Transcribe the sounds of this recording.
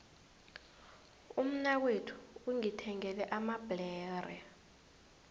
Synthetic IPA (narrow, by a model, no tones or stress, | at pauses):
um̩nak̬wetʰu̥uŋitʰɛŋɛlɛʔamab̥lɛːrɛ